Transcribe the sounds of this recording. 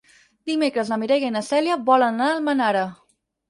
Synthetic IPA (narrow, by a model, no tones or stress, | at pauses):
d̪imekɾəzləmiɾɛjɣəinəsɛljəβɔlənnalˠmənaɾə